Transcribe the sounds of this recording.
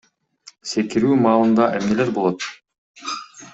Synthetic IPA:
se̞kiɾyːmɑːlˠɯnd̪ɑʔemne̞le̞ɾbo̞lˠo̞t̪̚

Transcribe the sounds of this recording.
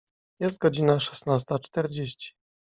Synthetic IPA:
jɛst̪̚ɡɔd͡ʑinaʂɛ̥snas̬t̪at͡ʂt̪ɛɾd͡ʑeɕt͡ɕi̥

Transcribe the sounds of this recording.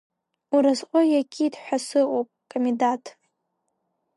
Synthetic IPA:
uɾazqʷʼojakʲʼʰidħʷᶣasɨowpʼkʼomidatʰʼ

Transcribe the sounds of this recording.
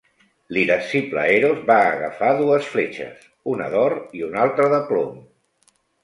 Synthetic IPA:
liðəsiplə̰eɾozβaːɣəfaðuəsflet͡ʃə̰s | unə̰ðɔɾiunalˠt̪ɾəðəplom

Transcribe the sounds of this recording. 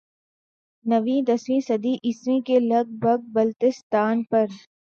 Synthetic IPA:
nɐʋĩd̪ɐsʋĩsɐd̪iʔɪsmĩkelɐɡ̚bʱɐɡ̚bɐlt̪ɪst̪aːnpɐɾ

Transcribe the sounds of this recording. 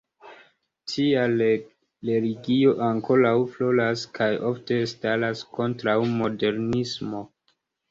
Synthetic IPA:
tʰia | leliɡio̞ʔaŋko̞ɾawflo̞laskʰajo̞fte̞stalasko̞ntɾawmo̞de̞ɾnismo̞

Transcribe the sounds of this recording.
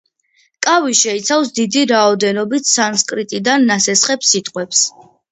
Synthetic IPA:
kʼaviʃɛit̪sʰafsd̪id̪iɾaɔd̪ɛnɔbit̪ʰsanskʼɾit̪ʼid̪anːasɛsχɛpsit̪ʼqʼwɛps

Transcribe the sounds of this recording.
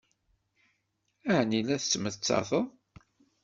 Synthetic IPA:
æʕnilæθət͡sːməθət͡sːɑ̰θəð

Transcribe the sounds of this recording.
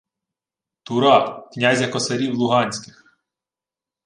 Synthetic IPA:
t̪ʊɾɑknʲazʲjɐkɔsɐɾʲiwlˠʊɦɑnʲsʲkɪ̥x

